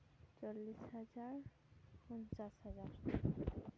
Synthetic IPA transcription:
t͡ɕolːisɦad͡ʑaɾ | pɔnt͡ɕaʃhad͡ʑaɾ

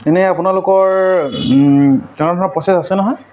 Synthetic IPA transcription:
t̪ɛnɛapunalʊkɔɹ | tɛ̃dʱɔnɔpɹɔsetasɛnɔɦɔj

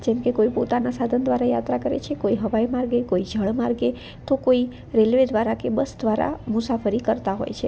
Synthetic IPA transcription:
d͡ʒɛmkekoipot̪anasad̪ʱənd̪ʋaɾajat̪ɾakəɾḛt͡ʃʰekoiɦəʋajmaɾɡekoid͡ʒʱəɭmaɾɡe | t̪okoi | ɾelʋed̪ʋaɾakebəsd̪ʱʋaɾa̰mʊsafəɾikəɾt̪aɦo̰jt͡ʃʰe

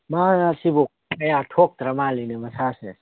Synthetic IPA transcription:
maasibok̚ | kɐjaʈʰoːk̚t̪ɾɐmaːlinemɐsaːsḛ

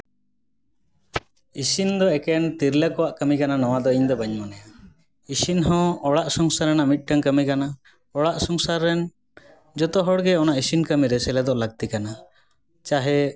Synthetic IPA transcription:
isind̪ɔɛkɛnt̪iɾlakɔwaʔkəmikananɔwad̪ɔiɲd̪ɔbaɲmɔnɛja | isinɦɔ̃ɔɽaʔsɔŋsaɾɛnaʔmit̪̚ˀʈaŋkəmikana | ɔɽaʔsɔŋsaɾːɛn | d͡ʒɔt̪ɔɦɔɽɡɛɔnaʔisinkəmiɾɛsɛlɛd̪ɔʔləɡ̚t̪ikana | t͡ʃaɦɛ

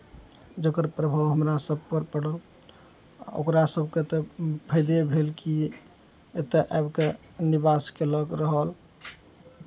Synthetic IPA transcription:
d͡ʒəkəɾpɾəbʱawɦəmɾasəb̚pəɾpəɽəl | a̰o̰kɾasəbʱket̪epʰəjd̪ebʱelki | et̪eʔabke | nibaskeləkɾəɦəl

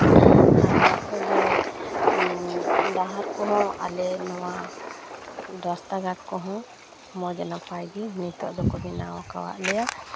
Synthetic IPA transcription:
akɔd͡ʒɛ | d̪aɦaɾkɔɦɔ̃a̰lɛnɔwa | d̪ɔst̪aɡakkɔɦɔ̃ | mɔd͡ʒanapʰajɡimnit̪ɔ̰ʔd̪ɔkɔbɛnawɔka̰wa̰ʔlɛja

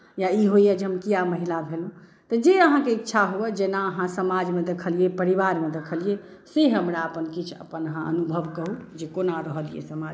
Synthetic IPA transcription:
jaiɦoijɛd͡ʒɦəmkijaməɦilabʱelɦũ | t̪əd͡ʒeəɦãkeitːʃʰaɦuɛd͡ʒenaəɦãsəmad͡ʒmẽd̪ekʰəlijepəɾiʋaɾmed̪ekʰəlije | seɦəmɾaəpənkit͡ʃʰə̰pənəɦãə̰nubʱəʋkəɦud͡ʒekonaɾəɦəlijḛsəmad͡ʒ

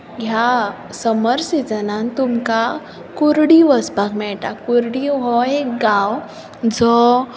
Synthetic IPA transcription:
ɡja | səməɾsid͡zənant̪umka | kuɾɽiʋəsbakmɛʈakuɾɽiɦɔek̚ɡaw | d͡zɔ

